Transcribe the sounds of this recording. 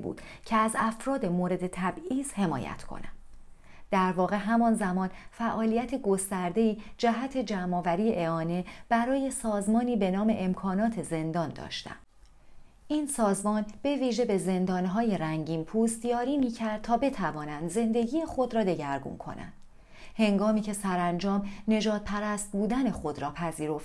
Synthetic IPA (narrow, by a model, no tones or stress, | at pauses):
bṵːd̪̥ | cʰeæzæfɾɒːd̪e̞moɾe̞d̪e̞t̪ʰæbiːz̥he̞mɒ̰ːjæ̰t̪ʰkʰo̰næ̰nd̥ | d̪̥æɾvɒːɣe̞ɦæmɒːnzæmɒːnfæʔɒːlijæt̪ʰe̞ɡo̞st̪æɾd̪e̞iːd͡ʒæɦæt̪ʰe̞d͡ʒæmɒːvæɾiːjeʔeɒːne̞b̥æɾɒːje̞sɒːzmɒːniːbe̞nɒːme̞̰ʔemkʰɒːnɒːt̪ʰe̞ze̞nd̪ɒːnd̪ɒ̰ːʃt̪æ̰m | ʔiːnsɒːzmɒːnb̥e̞viːʒe̞be̞ze̞nd̪ɒːnɦɒːje̞ɾæŋɟiːmpʰuːst̪jɒːɾiːmiːcʰæɾd̪̥̚t̪ʰɒːbe̞t̪ʰævɒːnænd̪ze̞nd̪e̞ɟiːjexo̞d̪ɾɒːd̪e̞ɟæɾɡṵnkʰo̞̰nʔæ̰nd̪̥ | he̞ŋɡɒːmiːcʰe̞sæɾænd͡ʒɒːmne̞ʒɒːd̪̥̚pʰæɾæst̪̚buːd̪æne̞xo̞d̪ɾɒːpʰæziːɾo̞ft̪